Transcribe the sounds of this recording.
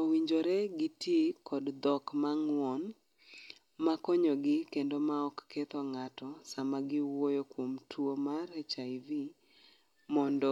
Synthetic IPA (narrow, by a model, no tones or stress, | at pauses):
owiɲd͡ʒoɾɛɡɪtjekɔdd̪ɔkmaŋwɔn | makɔɲɔɡɪkendomaɔkːet̪ɔŋatɔsamaɡɪwojokwomtʰwomaɾɛt͡ʃavi | mɔndɔ